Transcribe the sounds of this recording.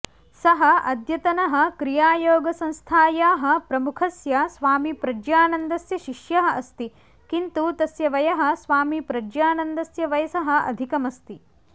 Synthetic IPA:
sɐɦɐ̆ʔɐd̪jɐt̪ɐnɐɦɐ̆kɾijaːjoːɡɐsɐ̃nst̪ʰaːjaːɦɐ̆pɾɐmukʰɐsjɐsʋaːmipɾɐd͡ʒjaːnɐnd̪ɐsjɐʃiʃjɐɦɐɐst̪i | kint̪ut̪ɐsjɐʋɐjɐɦɐ̆sʋaːmipɾɐd͡ʒjaːnɐnd̪ɐsjɐʋɐjɐsɐɦɐ̆ɐ̰d̪ʱikɐmɐst̪i

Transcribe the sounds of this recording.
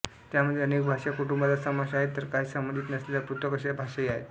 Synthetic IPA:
t̪jaməd̪ʱjeənekbʱaʂakuʈumbat͡sasəmaɕaɦet̪ːəɾkaɦiːsəmənd̪ʱiːt̪nəslelapɾut̪ʋəkəɕjabʱaʂaiaɦet̪

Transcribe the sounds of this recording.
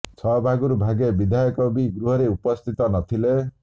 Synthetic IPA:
t͡sʰʌbʱaɡuɾubʱaɡebid̪ʱajɔkobiɡɾuɦʌɾeupɔst̪ʰit̪ɔnʌt̪ʰile

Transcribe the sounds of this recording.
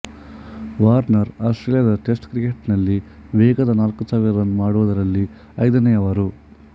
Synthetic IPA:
ʋaːɾnɐɾaːsʈɾelijɐd̪ɐʈesʈkɾikeʈnɐlːiʋɛːɡɐd̪ɐnaːlkusaːʋiɾɐɾɐnːumaːɽuʋɐd̪ɐɾɐlːi | ɐjd̪ɐnɐjɐʋɐɾu

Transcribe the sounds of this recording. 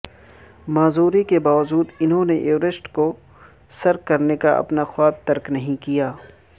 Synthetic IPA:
maːzuːɾikebaːʋəd͡ʒuːd̪ɪnɦõneʔeːɾɪsʈko | sɐɾkɐɾnekaʔɐ̰pnaxwaːb̚t̪ɐɾknɐɦĩkijaː

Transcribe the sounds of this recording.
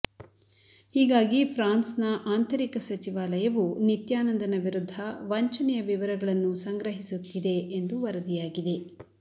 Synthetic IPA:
hiːɡaːɡipʰɾaːnsnɐʔaːnt̪ʰɐɾikɐsɐt͡ʃiʋaːlɐjɐʋunit̪jaːnɐnd̪ɐnɐʋiɾud̪ʱːɐʋɐɲt͡ʃɐnɛjɐʋiʋɐɾɐɡɐɭɐnːusɐŋɡɾɐɦisut̪ːid̪e̞ːnd̪uʋɐɾɐd̪ijaːɡid̪e̞

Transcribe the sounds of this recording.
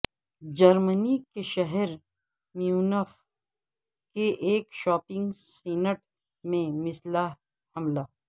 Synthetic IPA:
d͡ʒɐɾmənikeʃɐɦɛɾ | mjuːnəf | keʔeːkʃɔːpɪ̃ŋɡsiːnəʈ | mẽmɪslaː | hɐmlaː

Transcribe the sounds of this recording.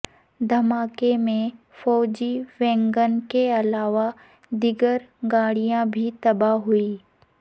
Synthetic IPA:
d̪ʱɐmaːkemẽ | fɔːd͡ʒiʋẽːŋɡənkeɐlaːʋa | d̪ɪɡəɾɡaːɽijãbʱit̪ɐbaɦʊiː

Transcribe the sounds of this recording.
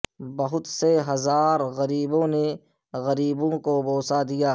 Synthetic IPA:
bɐɦʊt̪seɦɐzaːɾɣɐɾiːbõːne | ɣɐɾiːbõkoboːsad̪ijaː

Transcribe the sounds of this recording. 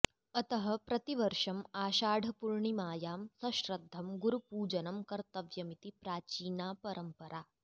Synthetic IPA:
ɐt̪ɐɦɐpɾɐt̪iʋɐɾʂɐmaːʃaːɖʱɐpuɾɳimaːjaːmsɐʃɾɐd̪ʱːɐmɡuɾupuːd͡ʒɐnɐmkɐɾt̪ɐʋjɐmit̪ipɾaːt͡ʃiːnaːpɐɾʔɐmpɐɾʔaː

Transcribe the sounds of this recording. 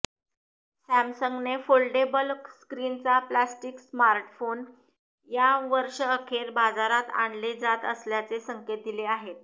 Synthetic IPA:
sæmsəŋɡnefolɖebəlskɾint͡saplasʈiksmaɾʈfon | jaʋəɾʂəəkʰeɾbad͡zaɾat̪a̰ɳled͡zat̪əsljat͡sesəŋket̪̚d̪ileaɦet̪̚

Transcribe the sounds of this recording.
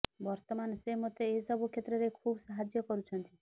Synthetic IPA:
bɔɾt̪ɔmansemɔt̪eːsɔbʱukʰet̪ɾɔɾekʰubsaɦad͡ʒjɔkɔɾut͡ʃʰɔnt̪i

